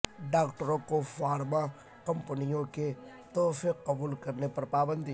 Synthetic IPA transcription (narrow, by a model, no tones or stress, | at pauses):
ɖaːkʈəɾõkofaːɾma | kɐ̃mpənijõke | t̪ɔːfiqːɐbuːlkɐɾnepɐɾpaːbə̃nd̪